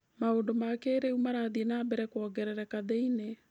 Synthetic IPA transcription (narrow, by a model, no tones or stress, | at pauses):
maondomakeɾeumaɾaːðienaːbɛɾɛkwɔːɡɛɾɛɾɛkaðeine